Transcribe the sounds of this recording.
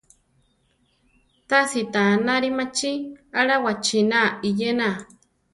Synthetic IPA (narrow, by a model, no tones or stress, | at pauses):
t̪asit̪anaɾimat͡ʃiaɺawat͡ʃinaijena